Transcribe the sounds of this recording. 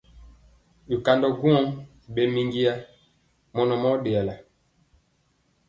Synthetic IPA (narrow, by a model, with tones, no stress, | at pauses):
u˨ka˨ndɔ˨ɡu˦ɔ˦ŋ˨ | ɓe˨mi˨ŋɡi˦ja˦ | mɔ˨nɔ˨mɔ˦ɗe˨a˨la˨